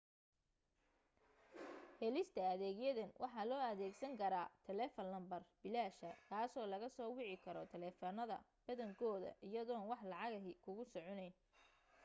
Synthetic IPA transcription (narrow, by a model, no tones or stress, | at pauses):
hɛlɪst̪ʰɐɐðɛːɣjɐðɐnwʔɑ̰ħɑːlɔːɐðɛːɡsɐŋkʰɐɾaːt̪ʰɛlɛːfɐnlɐmbɐrbɪlaːʃɐkʰaːsɔːlɐɣɐsɔːwɪʕɪkʰɐɾɔt̪ʰɛlɛːfɔnɐðɐ̰ | b̥ɐðɐŋkʰɔːðɐ̰ʔɪjɐðɔːnwɑħlɑʕɑɣɐɦikʰʊɣʊsɔʕɔnɛjn